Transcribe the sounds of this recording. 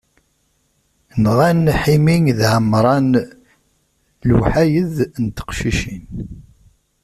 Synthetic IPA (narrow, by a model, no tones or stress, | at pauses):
nʁænħimiŋðʕəmɾˤɑn | lwħajəðnt̪ə̥qʃiʃin